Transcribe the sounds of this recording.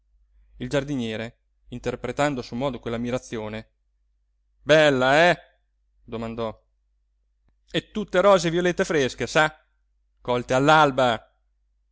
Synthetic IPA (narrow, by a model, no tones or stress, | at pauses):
ild͡ʒard̪injɛːɾe | int̪erpɾet̪and̪osumɔːd̪okwelːamiɾat̪sːjoːne | bɛlːaɛ | d̪omand̪ɔ | et̪ːut̪ːeɾɔːzeviolet̪ːefɾesk̟esa | kɔlt̪ealːalba